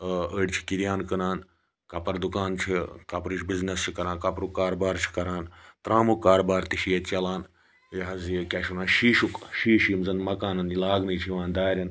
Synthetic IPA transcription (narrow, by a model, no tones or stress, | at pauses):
əɽʲt͡ʃʰi̥kiɾijaːnkɐnaːn | kɐpɐɾd̪ukaːnt͡ʃʰikɐpɾiʃbiznɐst͡ʃʰikɐɾaːnkɐpɾukaːɾbaːɾt͡ʃʰi̥kɐɾaːnt̪ɾaːmukaːɾbaːɾt̪iʃijɐt͡ʃɐlaːn | jɦɐzikʲɐʃunaːnʃiːʃukʃiːʃimzɐnmɐkaːnɐnilaːɡnɨt͡ʃʰiʋãːnd̪aːɾʲɐn